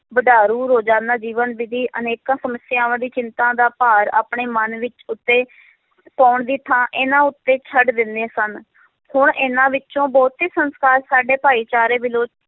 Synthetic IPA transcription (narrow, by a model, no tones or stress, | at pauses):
bəɖaːɾuːɾoːd͡ʒãːnd̪aːd͡ʒiːʋənʋɪd̪iːʔəneːkãːsəməsjãːʋãːd̪iːt͡ʃɪnt̪ãːd̪aːpaːɾa̰ːpɳeːmənʋɪt͡ʃʊt̪ːeː | pɔːʊɳd̪iːt̪ʰãːʔɪnãːʊt̪ːeːt͡ʃʰəɖd̪ɪnd̪eːsən | hʊɳʔɪnãːʋɪt͡ʃt͡ʃõːbɔːt̪iːsənskaːɾsaːɖeːpaːiːt͡ʃaːɾeːbɪloːt͡ʃ